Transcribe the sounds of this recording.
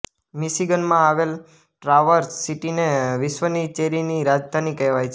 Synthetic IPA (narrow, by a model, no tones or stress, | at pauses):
miʃiɡənmãaʋel | ʈɾaʋəɾsiʈineʋɪʃʋənit͡ʃeɾiniɾad͡ʒd̪ʱanikɛʋajt͡ʃʰe